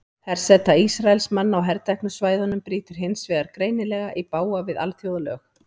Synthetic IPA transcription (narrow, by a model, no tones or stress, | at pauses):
θɛɾ̥sɛt̪ːaisɾaɛlsmanːawɦɛɾt̪ajknʏsvaːjðɔnʏmpɾiːt̪ʏɾ̥ɦɪnsvɛːɣaɾkɾeːjnɪlɛɣaʔipaːwavɪða̰lθjowðlœx